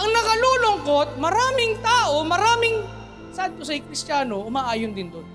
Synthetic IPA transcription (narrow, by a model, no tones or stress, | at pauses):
ʔɐŋnɐkɐloːlʊŋkot̪̚mɐɾaːmɪŋt̪aːʔo̞mɐɾaːmɪŋ | sad̪̚k̪osɐjkɾɪst͡ʃaːno̞ʔʊmaːʔaːjʊnd̪ɪnd̪on